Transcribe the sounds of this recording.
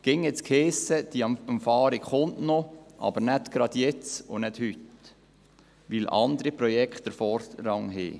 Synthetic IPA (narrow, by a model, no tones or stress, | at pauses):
ɡ̥ɪŋɛt͡skʰheːsəd̥̪iɑmfɑːɾikχʊntnɔʔɑ̰bəɾnæt̪ɡ̥ɾɑd̥̪jɛt͡sʊ̰nɛd̥hyt̪ | ʋɪlɑ̰nd̪əɾipɾɔjɛkχtdəɾfɔɾɾɑŋɦḛː